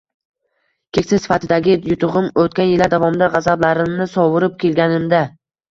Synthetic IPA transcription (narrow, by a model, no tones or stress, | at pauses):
kʲʰekʲsɪzsɪ̥fat̪ʰɪd̪aɡʲɪjʊt̪ʰʊʁɨmot̪̚kʲanjɪlaɾd̪avɒmɪd̪aʁɑzablaɾɪmnɪsɒwʊɾɪp̚kʲʰe̞lɡʲanɪmd̪a